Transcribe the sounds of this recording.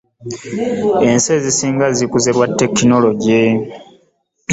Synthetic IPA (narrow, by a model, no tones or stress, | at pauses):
e̞nse̞zisiːŋɡazikuzeɾwatːe̞kino̞lo̞ɟe